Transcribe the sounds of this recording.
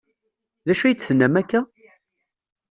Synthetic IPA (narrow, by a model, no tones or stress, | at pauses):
ðæʃujt͡sːθənːæmækːæ